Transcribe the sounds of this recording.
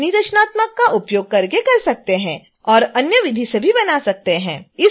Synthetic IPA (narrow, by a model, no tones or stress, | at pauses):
nid̪ɐʃənaːt̪məkːaʔʊpjoːɡ̚kɐɾkekɐɾsɐk̚t̪eɦɛ̃ | ɔːɾɐnjəʋɪd̪ʱisebʱibɐnasɐk̚t̪eɦɛ̃ːɪ